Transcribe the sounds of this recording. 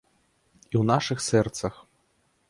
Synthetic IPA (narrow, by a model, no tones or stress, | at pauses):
iwnaʂɨxsɛrt̪sɐx